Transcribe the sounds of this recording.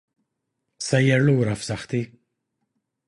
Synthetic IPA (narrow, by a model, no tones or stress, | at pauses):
sɐjːɛɾluːɾɐfsɐħt̪i